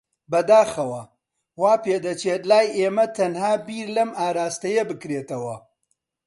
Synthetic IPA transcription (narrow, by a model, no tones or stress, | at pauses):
bɐd̪aːxɐwɐ | waːpeːd̪ɐt͡ʃeːt̪laːjeːmɐt̪ɐnhaːbiːɾlɐmaːɾaːst̪ɐjɐbɨkɾeːt̪ɐwɐ